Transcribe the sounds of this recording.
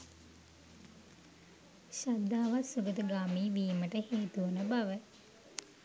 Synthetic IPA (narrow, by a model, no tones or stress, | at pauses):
ɕad̪aːʋasuɡət̪əɡaːmiːʋiːməʈəheːt̪uʋənəbaʋə